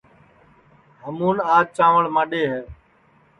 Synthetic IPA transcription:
ɦəmuːnaːt͡ʃaːʋəɭmãːɗeːɦɛː

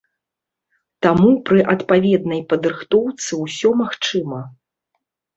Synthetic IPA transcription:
t̪amupɾɨʔɐt̪pavʲɛd̪nɐjpɐd̪ɾɨxt̪ɔwt̪sɨwsʲɔmaxt͡ʂɨmɐ

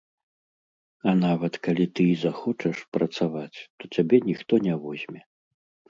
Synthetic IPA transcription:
ɐnavɐt̪kalʲit̪ɨizaxɔt͡ʂɛʂpɾɐt̪savat͡sʲt̪ɔt͡sʲabʲɛnʲixt̪ɔnʲɛvɔzʲmʲɛ

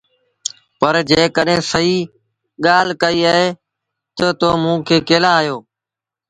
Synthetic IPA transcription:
pəɾd͡ʒeːkəɗɦẽːsəɦiː | ɠaːl̤kəiːəɦeː | t̪ət̪oːmũːkʰeːkeːlaːjoː

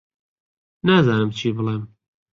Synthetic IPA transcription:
nazɑːnɨmt͡ʃʰiːbəlem

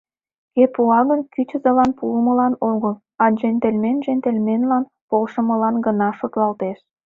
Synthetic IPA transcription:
kepuɑɣənkyt͡ɕə̆zə̆lɑnpuəməlɑnoɣəl | ɑʒent̪elʲmenʒent̪elʲmenlɑn | polʃə̆mə̆lɑnɡənɑʃot̪lɑlt̪eʃ

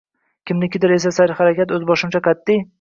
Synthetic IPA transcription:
kʲɪmnɪkʲʰɪd̪ɪɾe̞s̬asaɾɪχaɾakʲat̪ɵzbɒʃɪmt͡ʃʰaqat̪ʰːɪj

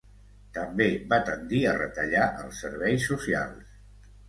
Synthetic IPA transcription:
t̪əmbeβat̪ənd̪iərə̰t̪əʎaʔəlˠsəɾβɛjsːusia̰lˠs

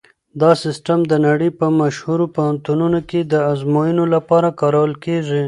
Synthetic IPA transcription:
d̪ɑsɪsʈamd̪ənaɽəjpəmaʃhuɾopohant̪ununoked̪əazmojənolapɑɾakɑɾawəlkeʐi

